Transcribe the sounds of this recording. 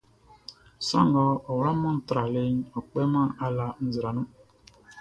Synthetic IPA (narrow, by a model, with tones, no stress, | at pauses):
sa̰˦ŋɔ˦ɔ˨wɾa˦mɔ̃˦n̩˦tɾa˨le˦ɲɔ˨k͡pe˦mã˦ʔa˦la˦n̩˦zɾa˨nũ˦